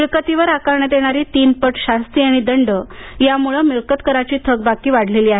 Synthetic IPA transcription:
miɭkət̪iʋəɾakaɾɳəd̪eɽ̃aɾiːt̪iːnpəʈɕast̪iaɽ̃id̪əɳɖəjamuɭəmiɭkət̪kəɾat͡ɕiːt̪ʰəɡ̚bakiːʋaɽ̤ʱleliːaɦe

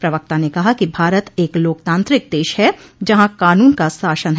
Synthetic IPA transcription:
pɾɐʋək̚t̪anekɐɦakibʱaːɾət̪eːkloːkt̪ãːnt̪ɾɪk̚d̪eːʃɦɛd͡ʒɐɦãkaːnuːnkasaːʃənɦ

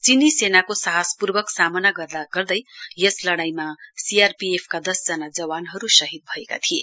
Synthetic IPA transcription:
t͡sinisenakosʌɦaspurbʌksamʌnaɡʌrd̪aɡʌrd̪ʌjjʌslʌɽajmasiarpiepʰkad̪ʌsd͡zʌnad͡zʌwanɦʌɾusʌɦit̪̚bʱʌeka̰t̪ʰije

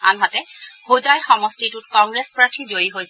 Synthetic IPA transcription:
a̰nɦatɛhozajxɔmɔstitut̚kɔŋɡɹespɹatʰizoɹiɦojsɛ

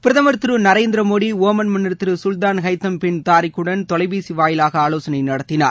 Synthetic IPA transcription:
pɪɾɐðɐmɐɾt̪ɯɾɯnɐɾeːnd̪ɪɾɐmoːɽioːmɐnmɐnːɐɾt̪ːɯɾɯsʊlt̪aːnɣɐɪt̪ːɐmpɪnt̪aːɾɪkːɯɽɐnt̪ɔɭɐɪbiːsiʋaːjɪlaːɣɐaːloːsɐnɐɪnɐɽɐt̪ːɪna̰ːɾ

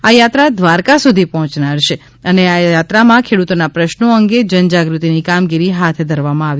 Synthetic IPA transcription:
ajat̪ɾad̪ʱʋaɾkasud̪ʱipɔɦɔ̃t͡ʃnaɽʃe | əneajat̪ɾamãkʰeɽut̪onapɾəʃnoəŋɡed͡ʒənd͡ʒaɡɾut̪inikamɡiɾiɦat̪ʰd̪ʱəɾʋamãaʋi

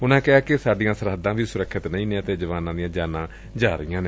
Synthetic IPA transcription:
ʊnãːkɪaːkɪsaːɖijãːsəɾɦəd̪ːãːʋiːsʊɾəkʰːɪt̪nə̃ĩːnẽːət̪eːd͡ʒəʋaːnãːd̪ijãːd͡ʒaːnãː | d͡ʒaːɾijãːnẽː

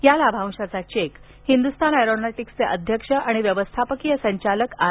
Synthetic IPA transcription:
jalabʱãw̃ʂat͡sat͡ɕek | hind̪ust̪ʰanajɾonaʈikst͡seʔəd̪ʱjəkʂəʔaɽ̃iʋjəʋəst̪ʰapəkijəsəɲt͡ɕaləka

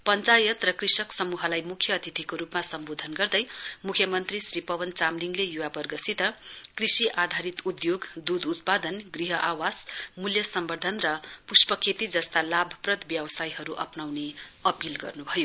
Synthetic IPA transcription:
pʌnt͡sajʌt̪rʌkrisʌksʌmuɦʌlajmukʰjʌːt̪it̪ʰikoɾupmasʌmbod̪ʱʌnɡʌrd̪ʌjmukʰjʌmʌnt̪risripʌwʌnt͡samliŋlejuwapʌrɡʌsit̪ʌkrisiʔad̪ʱaɾit̪ud̪joɡd̪ud̪ut̪̚pad̪ʌnɡriɦʌʔawasmuljʌsʌmbʌrd̪ʱʌnrʌpuspʌkʰet̪id͡zʌst̪alabʱʌprʌt̪bjʌwsajɦʌɾuʔʌ̰pnawneʌpilɡʌ̰rnubʱʌjo

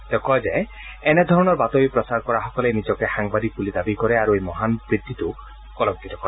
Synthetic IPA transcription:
t̪ekɔd͡ʒaj | ened̪ʱɔɾɔnɔɾbat̪ɔbipɾɔsaɾkɔɾaɦɔkɔlenid͡ʒɔkehaŋbad̪ik̚bulid̪abikɔɾeaɾuejmɔɦanbɾid̪ʱːit̪u | kɔlɔŋkːit̪ɔkɔɾe

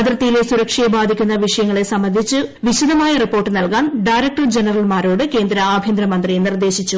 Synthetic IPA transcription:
ɐd̪ɾɐt̪ːijilesuɾɐkʂɐjebaːd̪ʱikʲːunːɐʋiʂɐjɐŋːɐɭe̞sɐmːɐnd̪ʱit͡ɕːɨʋiɕud̪ɐmaːjɐripːo̞ːrʈːɨnɐlkaːnɖajɾɐk̚ʈɐrd͡ʑenɐrɐlmaːɾo̞ːɽɨke̞ːnd̪ɾɐaːbʱjiend̪ɾɐmɐnd̪rinird̪eːɕit͡ɕːu

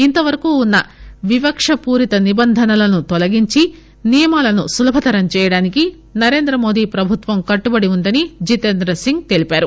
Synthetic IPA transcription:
int̪ɐʋɐɾɐkuːnːɐʋibɐkʂɐpuːɾit̪ɐnibɐnd̪ʱɐnɐlɐnut̪ɔlɐɡiɲt͡ʃi | nijɐmaːlɐnusulɐbʱɐt̪ɐɾɐmt͡ʃɛːjɐɽaːniki | nɐɾe̞ːnd̪ɾɐmo̞ːd̪iːpɾɐbʱut̪ʋɐmkɐʈːubɐɽiund̪ɐnid͡ʒit̪end̪ɾɐsiŋɡ̚t̪e̞lipaːɾu

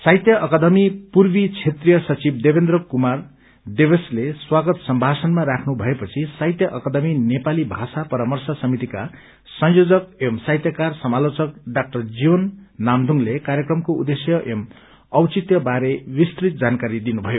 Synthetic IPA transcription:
sajt̪jʌʔʌkad̪ʌmipurbit͡sʰet̪rijʌsʌt͡sib̚debend̪rʌkumar | ɖebesleswaɡʌt̪sʌmbʱasʌnmaɾakʰnubʱʌepʌt͡sʰisajt̪jʌʔʌkad̪ʌminepalibʱasapʌɾamʌrsʌsʌmit̪ika | sʌ̃ŋjod͡zʌk̚emsajt̪jʌkarsʌmalot͡sʌkɖak̚ʈʌrd͡ziwʌnːamd̪ʱuŋlekaɾjekrʌmkoṵd̪esjʌʔem | ʌwt͡sit̪jʌbaɾewist̪rit̪̚d͡zankaɾid̪inubʱʌjo

